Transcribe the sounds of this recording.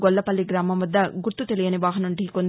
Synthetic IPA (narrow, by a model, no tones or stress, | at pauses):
ɡɔlːɐpɐlːiɡɾaːmɐmɐd̪ːɐɡuɾt̪ːut̪elijɐniʋaːɦɐnoɳʈiikond̪